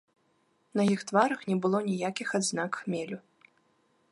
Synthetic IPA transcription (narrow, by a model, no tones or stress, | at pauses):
nɐjixt̪vaɾɐxnʲɛbɨlˠɔnʲijakʲixad̪znakxmʲɛlʲu